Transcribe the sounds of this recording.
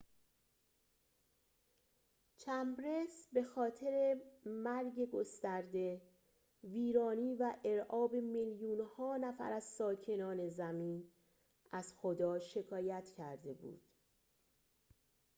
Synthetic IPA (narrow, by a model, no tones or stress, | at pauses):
t͡ʃʰæmbɾesbe̞xɒːt̪ʰe̞ɾe̞mæɾɟe̞ɡo̞st̪æɾd̪e̞ | viːɾɒːniːvæʔeɾʔɒːbe̞meljuːnhɒːnæfæ̰ɾæzsɒːcʰe̞nɒːne̞zæmiːn | æz̥xod̪ɒːʃe̞kʰɒːjæt̪ʰcʰæɾd̪e̞bṵːd̪̥